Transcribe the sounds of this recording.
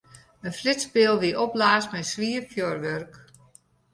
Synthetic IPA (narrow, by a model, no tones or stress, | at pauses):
ənflɪtspɪlˠʋiʔɔplaːsmɛsʋiːərfʰjorʋørk